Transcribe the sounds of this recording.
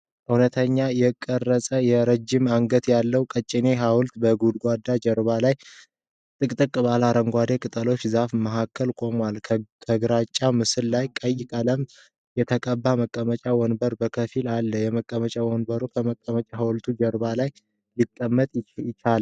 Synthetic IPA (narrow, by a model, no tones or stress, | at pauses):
ʔɨwnət̪ʰəɲːajɛkʼːərːəsʼəjɛɾəd͡ʒːɪmaŋɡət̪jalːəwkʼət͡ʃʼːɪne̞ɦawʊlt̪bəɡud̪ɡʷad̪ːad͡ʒəɾbalaj | t̪ʼɨkʼt̪ʼɨkʼbalaɾəŋɡʷad̪e̞kʼɨt̪ʼəlo̞t͡ʃːzafməɦakʰːəlkʼo̞mwalʰkʰəɡɨɾat͡ʃʼːamɨsɨlːajkʼəjːɪkʼələm | jɛt̪ʰəkʼəbːaməkʼːəmət͡ʃʼawɔnbəɾbəkʰəfilalːəjɛməkʼːəmət͡ʃʼawɔnbəɾukʰəməkʼːəmət͡ʃʼahawlt̪ʰud͡ʒəɾbalaj | likʼːəmːət̪ʼɪt͡ʃal